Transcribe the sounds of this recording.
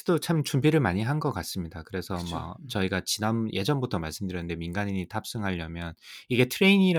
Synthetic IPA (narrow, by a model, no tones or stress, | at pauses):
dot͡ɕʰamt͡ɕumbiɾɯɭmaɲiɦanɡʌk͈as͈ɯmɲidakɯɾe̞sʰʌma̰t͡ɕʌiɡat͡ɕinanjʔe̞d͡ʑʌnbutʰʌmaɭs͈ɯmdɯɾjʌnɯnde̞minɡaɲiɲitʰap̚s͈ɯŋɦaʎːʌmjʌniɡe̞tʰɯɾe̞iɲiɾ